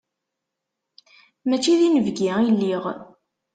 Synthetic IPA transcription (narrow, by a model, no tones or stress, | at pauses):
mæt͡ʃːiðinəvɡiilːiʁ